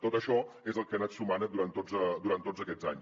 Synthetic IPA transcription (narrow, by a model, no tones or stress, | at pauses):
t̪ot̪əʃɔezəlˠkənat̪sumanəd̪uɾant̪ozəd̪uɾant̪ːod͡zəkɛd͡za̰ɲ